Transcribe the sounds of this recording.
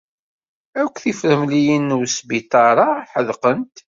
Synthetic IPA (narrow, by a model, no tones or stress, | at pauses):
ækʷːθifɾəmlijinːwsbit̪ˤɑɾˤɑħəðqənt̪